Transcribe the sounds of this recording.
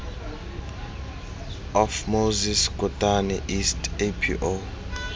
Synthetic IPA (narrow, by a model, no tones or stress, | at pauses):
ɔfmoziskʼɔtʼanɛʔistʰepʰḭʔo